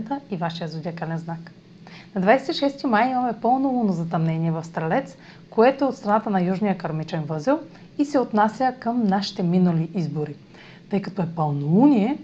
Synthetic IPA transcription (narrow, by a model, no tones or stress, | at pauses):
t̪əivaʃijəzod̪ʲakalɛnznak | nɐd̪vajsɛ̥t̪iʃɛst̪imajimɐmɛpɤlˠnolˠunozɐt̪ɐmnɛniɛvɐfst̪ɾɐlɛt̪s | koɛt̪oɛot̪st̪ɾɐnat̪ənɐjuʒnijəkɐɾmit͡ʃɛnvɤzilˠ | isɛot̪nasʲjəkəmnaʃi̥t̪ɛminɐliʔizboɾi | t̪ɤjkɐt̪ɔɛpɐlˠnolˠuniɛ